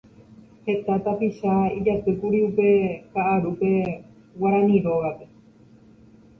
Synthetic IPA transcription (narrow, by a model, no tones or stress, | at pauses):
he̞t̪at̪apiʃaid͡ʒat̪ɨkuɾiupe̞kaʔːɾupe̞ | waɾãnĩɾo̞ɣape̞